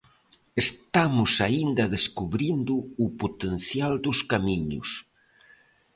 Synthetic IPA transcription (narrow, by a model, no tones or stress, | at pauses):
est̪amʊsaind̪ɐðeskuβɾind̪ʊːpot̪en̟θjald̪ʊskamiɲʊ̰s